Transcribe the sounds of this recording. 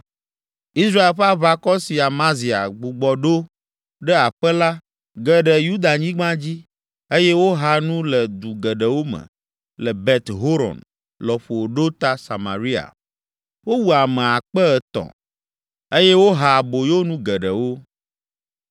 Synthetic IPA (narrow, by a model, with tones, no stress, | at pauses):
i˦sɾa˦e˨lɸa˦βa˦kɔ˦si˨a˨mã˦zi˨a̰˨ɡ͡bu˨ɡ͡bɔ˨ɖo˦ | ɖɛ˦a˨ɸɛ˦la˦ | ɡɛ˨ɖɛ˨ju˦d̪a˨ɲĩ˦ɡ͡bã˦d͡ʑi˦ | e˦jɛ˦wo˦ɦa˦nũ˦lɛ˨d̪u˨ɡɛ˨ɖɛ˨wo˦mɛ̰˨ | lɛ˨bɛ˨t̪ɦo˦ɾɔ̰˨n | lɔ˨ɸo˨wo˨ɖo˦t̪a˦sa˨ma̰˨ɾi˦a̰˨ | wo˦wu˨a˨mɛ̃˨a˨k͡pɛ˦ɛ˨t̪ɔ̰̃˨ | e˦jɛ˦wo˦ɦa˨bo˨jo˦nũ˦ɡɛ˨ɖɛ˨wo˦